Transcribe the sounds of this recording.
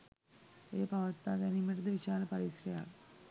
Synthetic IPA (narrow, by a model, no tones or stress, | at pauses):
ejɐpɐʋɐt̪ːaːɡɐnimeʈɐd̪ɐʋiʃaːlɐpɐɾisrɐja̰ːl